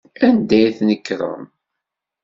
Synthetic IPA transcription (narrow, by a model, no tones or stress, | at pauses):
ænd̪æjθnəkːɾˤə̰m